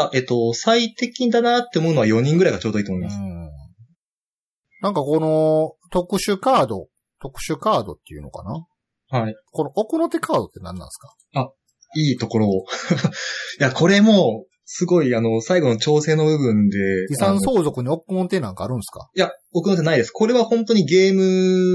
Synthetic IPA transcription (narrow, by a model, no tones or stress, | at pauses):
ʔe̞t̪ːosait̪e̞kʲiɲid̪anat̪ːe̞omo̞ɯ̟noβajo̞ɲ̟ĩŋɡɯ̟ɾaiɡat͡ɕoːd̪o̞iːt̪omoimaas | nãŋkako̞no̞t̪o̞kɯ̟ɕɨkaːd̪o̞̰ | t̪o̞kɯ̟̥ɕɨkaːd̪o̞̰t̪ːe̞ijɯ̟no̰ka̰na | haiko̞noʔokɯ̟no̞t̪e̞kʰaːd̪o̞t̪ːe̞nã̰nːã̰ɰsɨ̥kḁ | a | iːt̪o̞ko̞ɾo̞ | jakʰo̞ɾe̞mo̞ | sɨɡo̞iano̞saiɡo̞no̞t͡ɕo̞ːse̞ːno̞bɯ̟bɯ̟̃nd̪e̞isãɰ̃so̞ːzo̞kɯ̟ɲ̟io̞kɯnot̪enãŋka̰ːɾɯ̟̃ñsɨ̥ka̰jaokɯ̟no̞t̪enaid̪e̞sɨ̥ko̞ɾe̞βahõ̞nt̪o̞ɲ̟iɡe̞ːmɯ̟